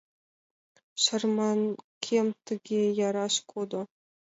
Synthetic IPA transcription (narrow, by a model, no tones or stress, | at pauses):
ɕɤ̆rmɑnkʲʰemt̪ʲɘ̆ɡʲejɑɾɑʂkʰod̪ŏ